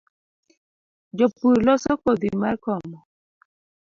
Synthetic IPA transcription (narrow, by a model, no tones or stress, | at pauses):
d͡ʒopuɾlɔsɔkod̪imarkɔmɔ